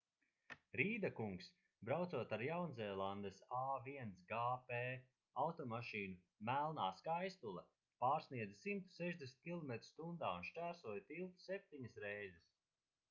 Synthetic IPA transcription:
ɾiːd̪akuŋks | bɾawt̪suɔt̪aɾjawnzɛːlˠand̪esaːviɛnsɡaːpe | awt̪ɔmaʃiːnu | mælˠnaːskajst̪ulˠɐ | paːɾsniɛd̪zsimt̪u̥sɛʒd̪ʲesnt̪̚ʲkʲilˠɔmet̪ɾust̪und̪aːunʃt͡ʃæːɾsuɔjt̪ilˠt̪u̥sɛp̚t̪iɲasɾɛjzɛs

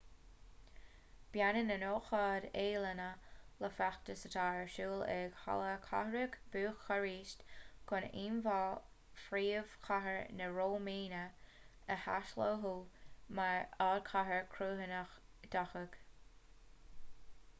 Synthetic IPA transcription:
b̥janənənoːxɑːdeːlənələfaxt̪əsət̪ʰɑːəɹʃuːlɛɡ̥ha̰ləkʰa̰həɾəɡb̥uːxəɹiːʃtɡ̥ʊniːnvɑː | fɾiːv̥xʰaɦəɹnəɹoːmiːnə | əha̰ʃloːɦumaɹɑːd̚kʰaɦəɹkʰɾuːɦənəx | d̪̥axəɡ̥

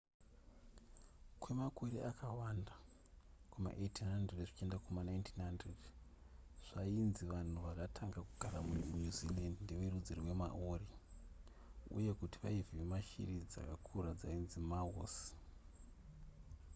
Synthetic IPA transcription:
kwe̞makoɾeʔakʰawanda | kwuma̰ʔetinandereʐit͡ʃe̞ndakumanaintinɦandred | ʐ̥ainziʋan̤uʋakatʰaŋɡakuɡ̥ʱaɾamuɲuzilandindewerud͡zirwe̞ma̰ʔori | ṵje̞kutiʋaiviʋemaʃḭrid͡za̰kakʰuɾad͡zainzimao̰s

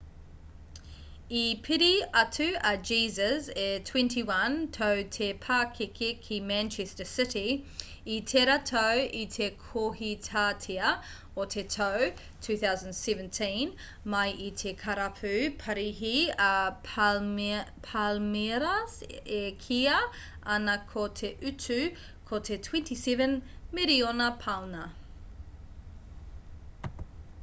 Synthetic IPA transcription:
ipʰɪɾiɐtʰʉɐd͡ʒiːzəzetʰw̥ɛ̃ntiwɐntʰoʊtʰepʰaːkʰekʰekʰimæ̃nt͡ʃʰɛstəsɪti | itʰeɾatʰoʊʔitʰekʰohitʰatʰiə | otʰetʰoʊ | tʰʉːθaʊzə̃nsɛvə̃ntʰĩn | mɐjʔitʰekʰɐɾapʰʉːpʰɐɾiɦiɐ | pʰalmeɾɐsekʰiɐ | ɐnɐkʰotʰeʔʉtʰʉ | kʰotʰetʰwɛ̃ntisɛvə̃nmeɾionɐpʰawnɐ

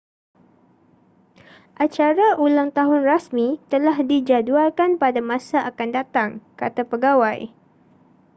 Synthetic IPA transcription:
ʔat͡ʃaɾaulaŋt̪aɦʊnrasmĩt̪əlaɦdid͡ʒadualkanpadamãsaʔakandat̪aŋkat̪apəɡawaj

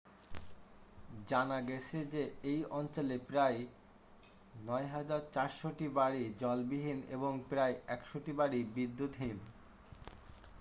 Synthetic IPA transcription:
d͡ʑanaɡɛt͡ɕʰed͡ʑeejɔnt͡ɕolepɾaj | nɔeɦad͡ʑaɾt͡ɕaɾʃoʈibaɽid͡ʑɔlbiɦinḛboŋpɾaeɛkʃoʈibaɽibid̪ːut̪ɦin

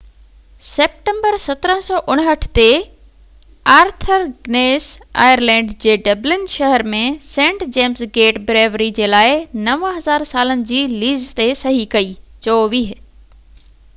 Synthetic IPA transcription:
seːp̚ʈẽmbəɾsɐt̪ɾə̃sɔːʔʊɽ̃ɦəʈʰt̪e | aːɾt̪ʰəɾɡneːsa̰ːjəɾlɛ̃ːɳɖd͡ʑeːɖɐblɪnʃɐɦəɾmẽsẽːɳʈd͡ʑeːmsɡeːʈbɾeːʋɾid͡ʑeːlaːɪnɐʋɦɐzaːɾsaːlənɪ̆d͡ʑiːliːzt̪esɐɦikɐiːt͡ɕɐoʋiːɦ

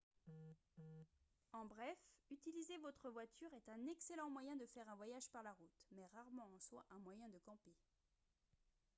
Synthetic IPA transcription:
ɑ̃bʁɛfyt̪ilizevɔt̪χəvwat̪ʰyʁɛt̪ɛ̃nɛkselɑ̃mwajɛ̃d̪əfɛʁɛ̃vwajaʒpaʁlaʁut̪mɛʁaʁmɑ̃ɑ̃swa̰ʔɛ̃mwajɛ̃d̪əkɑ̃pe

